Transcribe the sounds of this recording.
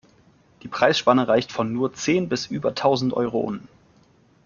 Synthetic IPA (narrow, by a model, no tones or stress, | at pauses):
d̥iːpʁ̥aɪsʃpanəʁaɪçtfɔnːuːɐt͡seːnbɪsʔyːbɐtʰaʊzn̩tʔɔ̰ʏʁo̰ʔʊ̰n̩